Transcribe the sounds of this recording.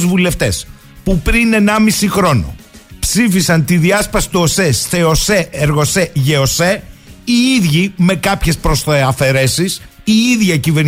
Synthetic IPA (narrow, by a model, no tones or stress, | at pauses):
zvule̞ft̪e̞s | pupɾine̞nɐmisixɾo̞no̞̰psifisɐnt̪iðiɐspɐsi̥t̪uosesθe̞oseeɾɣo̞seʝe̞ose̞iiðʝime̞kɐpçe̞spɾo̞sθeɐfe̞ɾe̞sisiiðʝɐcive̞ɾ